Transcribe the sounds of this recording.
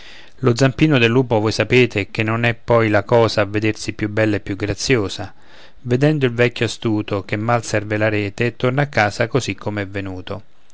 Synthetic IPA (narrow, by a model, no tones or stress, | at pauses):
lʊd̪zːampiːnod̪elːuːpovojsapeːt̪ɪk̟enːonɛpːɔjlakɔːzaːvːed̪ersipːjubːɛlːaepːjuɡɾat̪sːjoːsa | ved̪ɛnd̪ʊilvɛkʲːjoast̪uːt̪ok̟emːalsɛrvelaɾɛːt̪et̪ːornakːaːsakosikʰːomeɛvːenuːt̪o